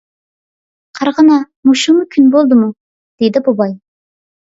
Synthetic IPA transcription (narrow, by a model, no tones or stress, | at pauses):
qʰɑɾʁənɑ | muʃumukʲʰynbolˠd̪ɨmu | d̪̥ed̪ɪbubɑj